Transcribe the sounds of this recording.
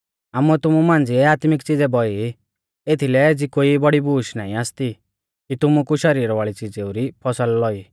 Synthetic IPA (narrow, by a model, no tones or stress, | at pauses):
aːmuɛt̪ʊmumãːnd͡ziɛaːt̪mɪkt͡sid͡zɛbɔi | et̪ʰilɛd͡zikoibɔɽibuːʃnaːĩaːst̪i | kit̪ʊmukuʃɐɾiːɾʋaːɭit͡sɪd͡zeuɾipʰɔsəlːɔiː